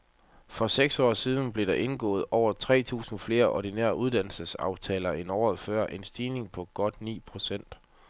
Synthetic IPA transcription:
fɒ̽seɡ̥sɒ̰ːsiːð̞ˠn̩b̥le̝ɾ̥ɑ̈ʔe̝nɡ̥ɔ̰̽ːð̞̩ˠɒʊ̰ɐt͡sʰʁɛ̰ːt͡sʰṵːsn̩fle̝ːɐʔɒdinḛɐʔuð̞ˠd̥æn̰l̩səsɑ̈ʊt͡sʰɛ̰ːlɐe̝nɒ̰ːð̩ˠfɶɐ̰ʔe̝nsd̥iːne̝ŋpʰɒ̽ɡ̥ɒ̽d̥nḭːpʰʁo̝sen̰d̥

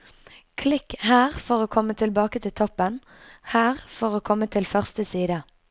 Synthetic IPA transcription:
kʰlɪkːhæːʁfɔʁoːkʰɔmːət̪ʰɪlbɑːkət̪ʰɪlt̪ʰɔpːən | hæːʁfɔʁoːkʰɔmːət̪ʰɪlfœʁst̪əsiːd̪ə

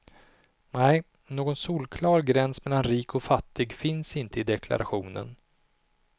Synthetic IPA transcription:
nɛj | noːɡɔnsuːlkʰlɑːɾɡɾɛnsmɛlːanɾiːkʰɔfat̪ʰːɪɡfɪnsɪnt̪əɪd̪ɛkʰla̰ɾʔaɧuːnə̰n

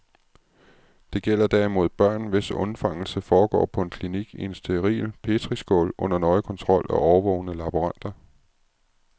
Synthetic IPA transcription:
d̥e̝ɡ̥el̰ɐd̥æɐimo̝ð̞̰ˠb̥ɶɐ̰nʋe̝sɔ̽nfɑ̈ŋ̰l̩səfɒːɡ̥ɒ̰ːpʰɒ̽e̝nkʰliniɡ̥ie̝nsd̥e̝ʁḭːlpʰe̝d̥ʰʁisɡ̥ɔ̰lʔɔ̽n̰ɐnɒ̽ɪkʰɒ̽nt͡sʰʁɒ̽l̰æʔɒʊɐʋɔ̽ʊnəlɑ̈b̥uʁɑn̰d̥ɐ

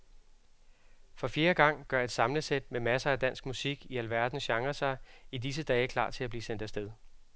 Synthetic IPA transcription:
fɒ̽fje̝ːɐɡ̥ɑ̈ŋ̰ɡ̥ɶɐe̝d̥sɑ̈mləsed̥̚memæsɐæd̥æn̰sɡ̥musiɡ̥iælʋæɐ̰d̥n̩ɕɑ̈ŋʁɐsɑ̈ɪidis̬əd̥ɛːkʰlɑ̰̈ːt͡sʰe̝læb̥liːsen̰d̥æsd̥eðˠ

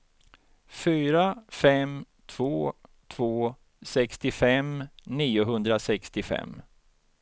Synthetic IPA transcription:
fyːɾafɛm | t̪ʰv̥oːt̪ʰvoː | sɛkst̪ɪfɛmniːʊɦɵnd̪ɾasɛkst̪ɪfɛ̰mː

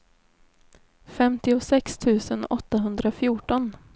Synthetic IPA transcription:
fɛmt̪ɪʊsɛkst̪ʰʉ̟ːsənʔɔt̪ːaɦɵnd̪ɾafjuːʈɔn

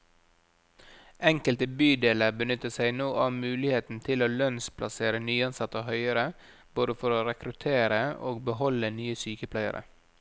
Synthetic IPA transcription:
ɛŋkəlt̪əbyːd̪eːləɾbənʏt̪əsæɪnoːʔɑʋmʉːlɪheːt̪n̩t̪ʰɪloːlœnspʰlʔɑseːɾənyːɑnsɑt̪əhœʏəɾə | b̥oːd̪əfɔɾoːɾɛkɾʉt̪ʰeːɾəoːɡ̚bəhɔlənyːəsyːkəpʰlæɪə̰ɾʔə̰

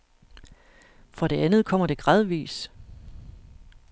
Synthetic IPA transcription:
fʁɑ̈ɾ̥e̝ænð̞̩ˠkʰɒ̽m̰ɐd̥e̝ɡ̥ʁɑ̈ð̞ˠʋḭːs

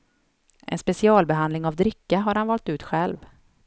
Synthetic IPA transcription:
ʔɛ̰nspɛsɪɑːlbɛɦand̪lɪŋavd̪ɾɪkːaɦaɾhanvɑlt̪ʉ̟ːt̪ɧɛlv

